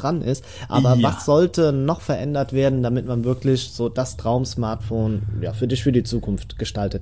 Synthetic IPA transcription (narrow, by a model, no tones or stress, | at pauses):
ʁanʔɪ̰st | ʔa̰ːbɐvasz̥ɔltənɔχfɛɐʔɛndɐtv̥eːɐdn̩damɪtmanvɪɐklɪçz̥oːd̥astʁ̥aʊmsmaɐtfoːnja̰ːfyːɐdɪçfyɐdiːt͡suːkʰʊnftɡ̥əʃtaltət